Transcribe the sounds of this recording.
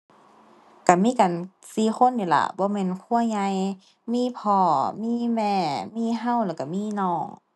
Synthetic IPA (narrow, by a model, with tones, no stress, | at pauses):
ka˧˩miː˧˥˨ka˨n | siː˧˩xo˧˥˨nji˧˩la̰˧˩bɔː˧˦mɛː˧˥˨nkʰu˧˨ə˨ɲa˧j | miː˧˥˨pʰɔː˧˩miː˧˥˨mɛː˧˩˨miː˧˥˨ɦa˧˥˨wlɛː˧˩ka˧˩miː˧˥˨nɔː˧˩ŋ